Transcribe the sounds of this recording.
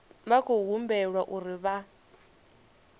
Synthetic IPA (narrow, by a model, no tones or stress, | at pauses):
βakʰoɦumbɛɺwaʔuɾiβa